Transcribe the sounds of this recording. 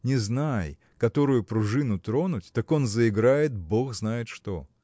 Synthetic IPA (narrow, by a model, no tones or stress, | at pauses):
nʲɪznaj | kɐt̪o̞ɾʊjʊpɾʊʐɨnʊt̪ɾo̞nʊtʲt̪ɐko̞nzəɪɡɾajɪt̪̚bo̞xznajɪt̪ʂt̪o̞